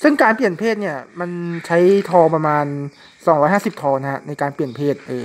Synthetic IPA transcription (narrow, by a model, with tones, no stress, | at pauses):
sɯ˥˩ŋkaː˧npli˨˩ənpʰeː˥˩t̪̚ni˥˩ɐma˧nt͡ɕʰa˦˥jt̪ʰɔː˧pɾa˧maː˧n | sɔː˨˩˦ŋɾɔː˦jɦaː˥˩si˨˩p̚t̪ʰɔː˧na˦˥ha̰˦˥na˧jkaː˧npli˨˩ənpʰeː˥˩t̪̚ʔeː˧ŋ